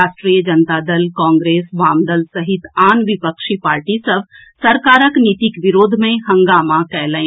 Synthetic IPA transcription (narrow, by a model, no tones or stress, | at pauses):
aːʃʈɾiːjəd͡ʒɐnt̪aːd̪ɐlkãːŋɡɾeːsʋaːmd̪əlsɐɦɪt̪aːnʋɪpəkʃipaːɾʈisɐbʱ | sɐɾkaːɾəknit̪ikʋɪɾoːd̪ʱmẽɦɐ̃ŋɡaːmakɛːlə̃ẽ